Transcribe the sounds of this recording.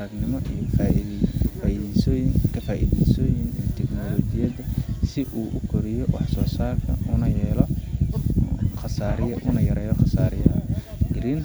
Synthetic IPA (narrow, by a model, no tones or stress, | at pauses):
ɐɡnɪmɔʔij | faːiðisɔjɪŋkʰɐfaːʔḭːðɛsɔːjɪnɛːt̪ʰɛɡnɔːlɔːd͡ʒɪjɐðɐsɪʔuːʔʊkʰɔɾɪjɔwɑħsɔːsaːrkʰɐ̰ʊnɐjɛːlɔ | χɑsaːɾɪjʊnɐjɐɾɛːjɔχɑsaːɾɪjɐɐ | ɡɪɾin